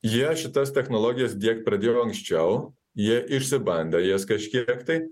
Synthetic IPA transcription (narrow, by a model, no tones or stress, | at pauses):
jiɛʃʲɪt̪ɐst̪ʲɛxnɔlˠɔːɡʲɪjɛsd̪ʲiɛk̚t̪̚pɾɐd̪ʲeːjoːɐŋksʲt͡ʃʲɛʊ | jiɛʔɪʃʲsʲɪbɐnʲd̪ʲɛjiɛskɐʃʲkʲikt̪ɐɪ